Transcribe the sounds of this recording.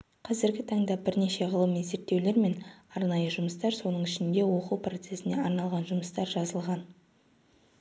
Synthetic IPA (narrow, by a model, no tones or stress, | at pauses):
qʰɑzɪɾɡʲɪt̪ʰɑɴd̪ɑbɪɾne̞ʃe̞ʁəlˠəmize̞ɾt̪ːe̞wle̞ɾme̞nɑɾnɑjəʒʊməst̪ɑɾso̞nəɴɪʃɪnd̪e̞wo̞quwpro̞t̪se̞sɪne̞ɑɾnɑlˠʁɑnʒʊməst̪ɑɾʒɑzəlˠʁɑn